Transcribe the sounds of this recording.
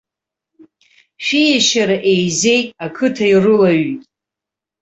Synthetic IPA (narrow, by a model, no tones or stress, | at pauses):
ʃᶣijaʃaɾaʔejze̞jtʼakʰɨtʰairɨlaɥitʼ